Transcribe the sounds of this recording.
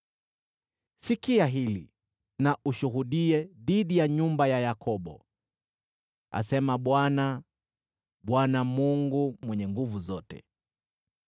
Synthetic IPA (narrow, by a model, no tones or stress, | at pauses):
sikiaɦili | naʔuʃuɦuɗiɛðiɗijaɲumbajajakʰɔɓɔ̰ | a̰sɛmaɓwana | ɓwanamuŋɡumwɛɲɛŋɡuvuzɔtɛ̰